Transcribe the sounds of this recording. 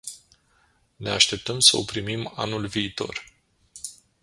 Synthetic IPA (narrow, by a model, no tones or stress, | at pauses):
ne̞aʃt̪e̞p̚t̪əmsəopɾimima̰nulviːt̪o̞̰r